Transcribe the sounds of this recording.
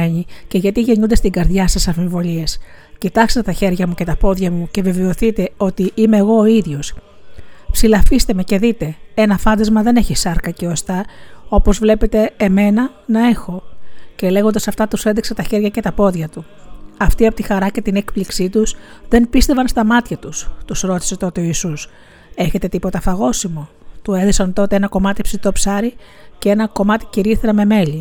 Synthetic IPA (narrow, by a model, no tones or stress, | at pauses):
eɲice̞ʝɐt̪iʝe̞ɲund̪e̞st̪iɡɐɾðʝɐsɐsɐnfivo̞lie̞s | cit̪ɐkset̪et̪ɐçe̞ɾʝɐmuce̞t̪ɐpo̞ðʝɐmuceve̞veoθit̪e̞o̞t̪iʔime̞ːɣo̞ːiðʝo̞s | psilɐfist̪e̞me̞ce̞ðit̪e̞e̞nɐfɐnd̪ɐzmɐðe̞ne̞çisɐɾkɐce̞ost̪ɐo̞po̞zvle̞pe̞t̪e̞ːme̞nɐ | nɐe̞xo̞ce̞le̞ɣond̪ɐsɐft̪ɐt̪usend̪iksɐt̪ɐçe̞ɾʝɐcet̪ɐpo̞ðʝɐt̪u | ɐft̪iɐpo̞t̪ixɐɾɐce̞t̪ine̞kpliksit̪usðe̞npist̪e̞vɐnst̪ɐmɐt̪çɐt̪ust̪usɾo̞t̪i̥se̞t̪o̞t̪e̞o̞isus | e̞çe̞t̪e̞t̪ipo̞t̪ɐfɐɣo̞simo̞t̪ue̞ðisɐnt̪o̞t̪e̞enɐko̞mɐt̪ipsit̪o̞psɐɾi | ce̞e̞nɐko̞mɐt̪i̥ciɾiθeɾɐme̞me̞li